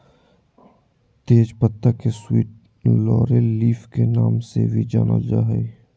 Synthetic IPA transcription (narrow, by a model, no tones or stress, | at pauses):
t̪eːd͡ʒpət̪ːakeswiːʈ | lɔːɾeːiːfkenaːmsḛbʱid͡ʒa̰ːnə̰d͡ʒa̰ːɦɛ